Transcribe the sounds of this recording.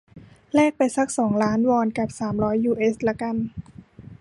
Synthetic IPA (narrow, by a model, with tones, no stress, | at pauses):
lɛː˥˩k̚pa˧jsa˦˥k̚sɔː˩˦ŋlaː˦˥nwɔː˧nka˨˩p̚saː˩˦mɾɔː˦˥jːuː˧˩ʔeː˦˥sla˦˥ka˧n